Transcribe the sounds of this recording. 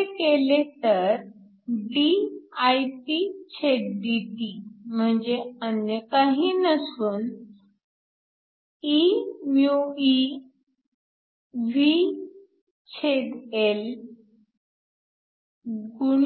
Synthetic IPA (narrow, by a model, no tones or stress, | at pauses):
kelet̪əɾ | ɖiajʈit͡ɕʰeʈ̚ɖiʈim̤əɳd͡zeənjəkaɦiːnəsuːn | imjui | ʋi | t͡ɕʰeɖel | ɡuɽ